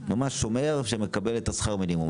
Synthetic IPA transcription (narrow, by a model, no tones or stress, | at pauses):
mamaʃːomeʁefʃemekabe̞let̪asχaʁmilimu